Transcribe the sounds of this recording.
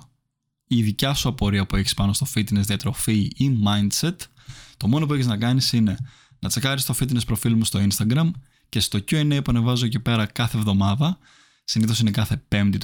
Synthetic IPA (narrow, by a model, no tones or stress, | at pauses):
iðicɐsuɐpo̞ɾiɐpue̞çi̥spɐno̞st̪o̞fit̪ine̞zðiɐt̪ɾo̞fiimɐjnd̪se̞t̪ | t̪o̞mo̞no̞p̬ueçiznɐkɐnisine̞ | nɐt͡sekɐɾist̪ofit̪̬ine̞spɾo̞filmost̪o̞inst̪ɐɡɾɐm | ce̞st̪o̞cueneipuɐne̞vɐzocepe̞ɾɐkɐθevðo̞mɐðɐ | siniθo̞sine̞kɐθe̞pe̞md̪it̪